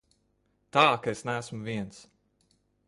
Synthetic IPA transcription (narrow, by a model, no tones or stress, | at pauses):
t̪aːkaesnæːsmʊvʲiɛns